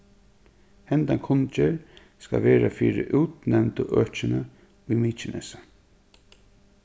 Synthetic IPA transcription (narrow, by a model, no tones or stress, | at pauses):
hɛnt̪aŋkʰʊnt͡ʃɛɹ | ska̰ʋeːɾafiːɾɪʔuːt̪nɛvnt̪əʔœːt͡ʃɪna | ʊjmiːt͡ʃɪnʔɛ̰sa